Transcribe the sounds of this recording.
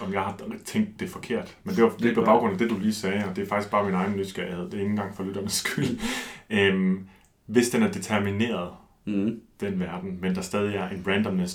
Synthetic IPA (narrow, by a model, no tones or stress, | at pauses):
ɒ̽mjɑ̈ɪhɑ̈t͡sʰeŋ̰ɡ̚d̥ːe̝fɒ̽kʰe̝ɐ̰d̥mend̥eʋɑ̈d̥epʰɒ̽b̥ɑ̈ʊɡ̥ʁɔ̽n̰æd̥e̝d̥uliːsɛːɒ̽d̥e̝æfɡ̥isɡ̥b̥ɑ̈ːminɑ̈ɪn̩lyd̥sɡ̥æjiheð̰ˠd̥ee̝ŋːn̩ɡ̥ɑ̈ŋ̰fɒ̽lyd̥ɐmesɡ̥yl | m | ʋe̝sd̥enæɐd̥et͡sʰæɐmine̝̰ːɐð̞̩ˠ | d̥enʋæɐd̥n̩mend̥ɑ̈sd̥ɛːð̞ˠiæɐʔe̝nb̥ʁænd̥ɒmnes